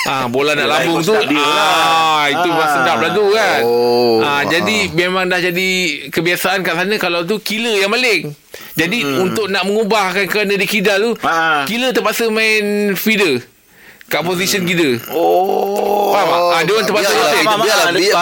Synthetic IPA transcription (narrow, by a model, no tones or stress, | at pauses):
ʔabolahnaʔlambʊŋt̪ua | it̪umasədap̚laɡukanad͡ʒadimemãŋdahd͡ʒadikəbiasaʔankaʔsanãkalawt̪̬ukiləjaŋmalɪŋ | d͡ʒadiunt̪ʊk̚naʔməŋubahkankəɾanãdikidalukilət̪əpasəmaɪnfidə | kaʔpozisənkidəo | pamaadewant̪əpasəate